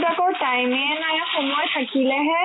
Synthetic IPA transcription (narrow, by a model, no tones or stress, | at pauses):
dakɔɹʈajmɛnajɛxɔmɔjt̪ʰakilɛɦɛ